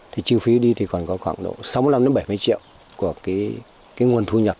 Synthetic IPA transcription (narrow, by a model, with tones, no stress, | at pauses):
t̪ʰi˨˩t͡ɕi˨˩ə˩wfi˨˦ɗi˧t̪ʰi˨˩kɔ˨˩nkɔ˨˦xwaː˧˩ŋɗo̰˧˨sa˨˦wm˧˦la˧mɗe˨˦nɓə˧˩jmɨ˧jt͡ɕḭ˧˨əw | ku˧˩əki˨˦ | kaː˨˦jŋu˨˩ənt̪ʰu˧ɲə˨˩t̚